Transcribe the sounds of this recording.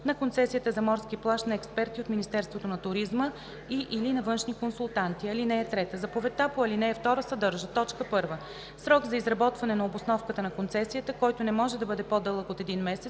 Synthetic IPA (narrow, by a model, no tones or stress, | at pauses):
nɐkont̪sɛsijət̪əzɐmɔɾskiplˠaʃnɐɛkspɛɾt̪iot̪minist̪ɛɾst̪vot̪onɐt̪ʊɾizmə | iʔilinɐvɤnʃnikonsulˠt̪ant̪iɐlinɛɛt̪ɾɛt̪əzɐpovɛt̪apoɐlinɛːft̪ɔɾəsɐd̪ɤɾʒət̪ɔt͡ʃkəpɤɾvə | sɾɔɡzɐizɾɐbɔt̪vɐnɛnɐobosnɔfkət̪ənɐkont̪sɛsijət̪əkɔjt̪onɛmɔʒɛd̪ɐbɤd̪ɛpod̪ɤlˠəkot̪ɛd̪inmɛsɛ